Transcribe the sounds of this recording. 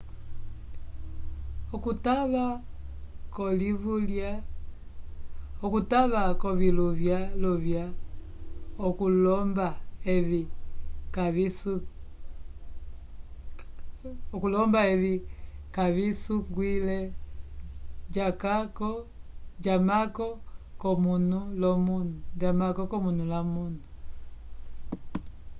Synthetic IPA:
ɔkutaβa | kɔlivulja | ɔkutaβakɔβiluvjalɔvja | ɔkulɔmbaɛvikai | ɔkulɔmbaɛβikaβisuɡwilɛ | d͡ʒakakɔd͡ʒamakɔkɔmunulɔmunud͡ʒamakɔkɔmunulamunu

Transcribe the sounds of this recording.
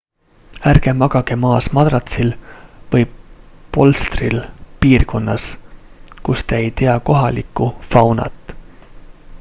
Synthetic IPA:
ærɡ̥e̞mɑɡ̥ɑɡ̥e̞mɑːsmɑd̪rɑt̪silvɤjpo̞lst̪rilpiːrko̞nːɑs | kust̪eejt̪eɑko̞ɦɑlikːˑufɑwnɑ̰t̪ˑː

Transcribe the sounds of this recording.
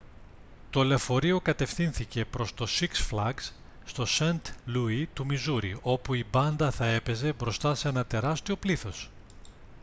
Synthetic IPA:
t̪o̞le̞fo̞ɾio̞kɐt̪e̞fθinθice̞pɾo̞st̪o̞siksflɐɡsː | t̪o̞sent̪luit̪umizuɾḭo̞puibɐnd̪ɐθɐe̞pe̞ze̞bɾo̞st̪ɐse̞nɐt̪e̞ɾɐst̪io̞pliθo̞s

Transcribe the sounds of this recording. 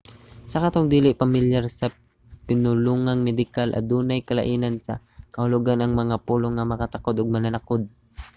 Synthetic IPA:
sɐkɐt̪oŋd̪iːlɪʔpɐmɪljaɾsɐ | pɪnʊluːŋaŋmɛd̪ɪkalʔɐ̰d̪uːnajkɐlɐ̰ʔiːnɐnsɐ | kɐhʊlʊɡanɐŋmɐŋapuːloŋːɐmɐkɐt̪ɐkod̪oɡ̚mɐnɐnɐkod̪̚

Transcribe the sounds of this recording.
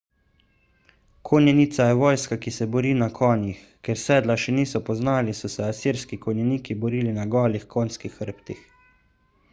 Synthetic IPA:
kʰonjɛniːt̪sajɛʋɔːjskakisɛbɔɾiːnakʰɔːnjix | kɛɾsɛːd̪laʃɛniːsɔpɔznaːlisɔsɛasiɾskikɔnjɛniːkibɔɾiːlinaɡɔːlixkonskixəɾpt̪ix

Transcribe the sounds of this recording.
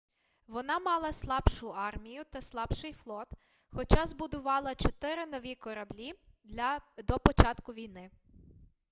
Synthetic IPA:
ʋɔnɑmɑlˠɐslˠɑbʃʊɑrmʲijʊt̪ɐslˠɑbʃɪjflˠɔt̪ | xɔt͡ʃɑzbʊd̪ʊʋɑlˠɐt͡ʃɔt̪ɪɾɪnɔʋʲikɔɾɐblʲi | d̪ɔpɔt͡ʃɑt̪kʊʋʲijnɪ

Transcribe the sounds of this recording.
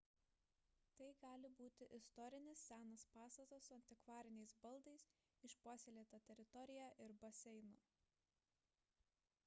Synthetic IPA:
t̪ɐɪɡɑːlʲɪbuːt̪ʲɪʔɪst̪ɔɾʲɪnʲɪsːʲæːnɐspɑːst̪ɐt̪ɐsʊɐnʲt̪ʲɪkʋɑːɾʲɪnʲɛɪsbɐlˠd̪ɐɪs | ɪʃpuɔsʲelʲeːt̪ɐt̪ʲɛɾʲɪt̪ɔɾʲɪjæʔɪɾbɐsʲɛɪnʊ

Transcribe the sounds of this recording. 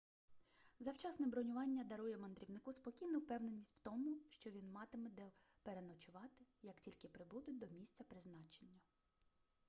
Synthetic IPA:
zɐwt͡ʃɑsnɛbɾɔnʲʊʋɑnʲːɐd̪ɐɾujɛmɐnd̪ɾʲiwnɪkuspɔkʲijnɔwpɛwne̞nʲːisʲtʲw̥t̪ɔmʊʃt͡ʃɔʋʲinmɑt̪ɪmɪd̪ɛ | peɾenɔt͡ʃʊʋɑt̪ɪjɐktʲilʲkɪpɾɪbud̪ʊd̪ɔmʲisʲt̪t͡sʲɐpɾɪznɑt͡ʃenʲːɐ

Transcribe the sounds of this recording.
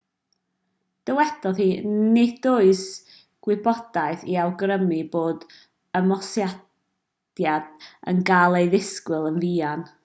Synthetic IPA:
d̥əwɛd̥ɔðhiːnɪdʊɨs | ɡ̥wɪbɔd̥aɨθiawɡrəmiboːd | əmɔsja | d̥jad̥ə̰nɡalˠejðɪskwɪlˠənviːan

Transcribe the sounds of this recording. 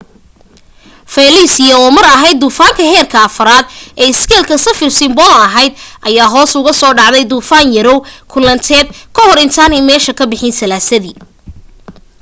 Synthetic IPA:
fɛlisɪjɐɔːmɐɾɐɦɛjd̪ːuːfaːŋkʰɐɦɛːrkʰɐɐfɐɾaːd̪ʔɛːɪskʰɛːlkʰɐsɐfɪrsɪmbɔlɐɦɛjd̪̚ʔɐjaːɦɔːsʊɣɐsɔːɖɑʕðɛjd̪uːfaːnjɐɾɔwkʰʊlɐnt̪ʰɛːd̪̚kʰɐhɔɾɪnt̪ʰaːnɛjmɛːʃɐkʰɐbɪħɪnsɐlaːsɐðiː

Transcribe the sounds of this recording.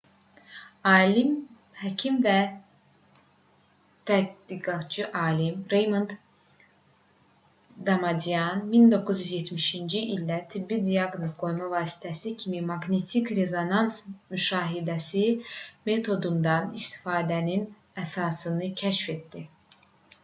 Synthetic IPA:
ɑːlim | hæcʰimvæ | t̪ʰæd̪iɡɑtt͡ʃʰɯʔɑːlimɾejmunt̪ | d̪ɑmɑd̪iɑnmind̪o̞kʰːuzjyzjet̪ʰmiʃind͡ʒiʔilʲd̪æt̪ʰibːid̪iɑɡnozɡo̞jmɑvɑːsi̥t̪ʰæsicʰimimɑɡnet̪ʰikɾe̞zo̞nɑnsmyʃɑːɦid̪æsime̞t̪ʰo̞d̪und̪ɑnist̪i̥fɑːd̪ænin | æsɑːsɯnɯcʰæʃfe̞t̪d̪i

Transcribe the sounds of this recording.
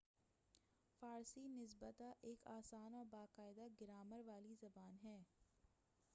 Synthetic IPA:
faːɾsinɪs̬bət̪aʔeːkaːsaːnɔːɾbaːqaːɪd̪aɡɪɾaːməɾʋaːlizɐbaːnɦɛː

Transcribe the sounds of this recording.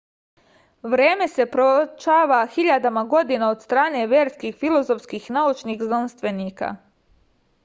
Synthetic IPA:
ʋɾe̞ːme̞se̞pɾot͡ʃaːʋaxiʎad̪amaɡo̞d̪inao̞d̪st̪ɾaːne̞ʋje̞ːɾskixfilˠo̞zo̞fskixnaut͡ʃnixznanst̪ʋe̞niːka̰

